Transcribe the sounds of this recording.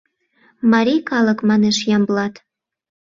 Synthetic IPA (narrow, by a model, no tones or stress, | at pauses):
mɑɾʲikɑlə̆kmɑneʃjɑmblɑt̪